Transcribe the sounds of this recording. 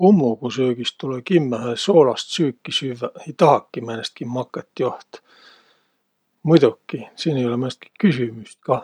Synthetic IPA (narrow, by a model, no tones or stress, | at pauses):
umːokusøːɡ̥ist̪t̪ulekimːæhæsoːlɑst̪syːkːisyʋːæit̪ɑhɑkːimænest̪̚kimmɑkːet̪ːjoht̪ | mud̪t̪ukːisiːnejolemænest̪ki̥kysymyst̪kɑ